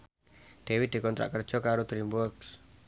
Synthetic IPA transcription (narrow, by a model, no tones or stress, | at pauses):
ɖ̪̥ewɪt̪̚d̪̥i̤kɔnt̪ɾa̰ʔkər̥ʒ̥ɔ̤kaɾot̪ɾimbɔrɡs